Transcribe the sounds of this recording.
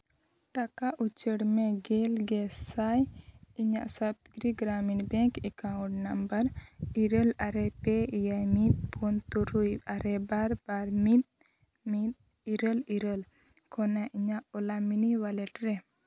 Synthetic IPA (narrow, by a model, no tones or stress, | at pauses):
ʈakaʔut͡ʃəɽmɛɡɛlɡɛsajiɲaʔsat̪ɡɾiɡɾaminbɛ̃ŋkɛkawũʈnambəɾiɾəlaɾɛpɛijajmit̪̚pʰɔnt̪uɾujaɾɛbaɾbaɾmit̪̚ | mit̪̚ | iɾəliɾəl | kʰɔnaʔiɲaʔɔlaminiwalɛʈɾɛ